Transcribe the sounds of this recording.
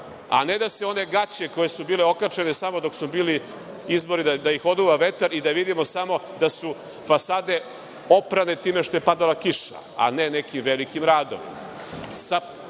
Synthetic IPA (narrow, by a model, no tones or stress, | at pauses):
a̰ned̪aseo̞ne̞ɡat͡ɕe̞ko̞jesubiːleo̞kat͡ʃenesamod̪o̞ksubiːli | izbo̞ɾid̪ad̪ajixo̞d̪uːʋaʋe̞t̪aɾid̪aʋid̪imo̞samo̞d̪asu | fasaːd̪e̞ | o̞pɾane̞t̪iːmeʃt̪o̞je̞pad̪alakiʃa̰ | a̰nenekimʋelikimɾaːd̪o̞̰ʋḭm | sa